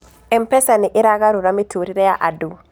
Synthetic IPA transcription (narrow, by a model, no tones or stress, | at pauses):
ɛmpɛsaniʔɪɾaɡaɾuɾamitʰoɾiɾɛjaʔadu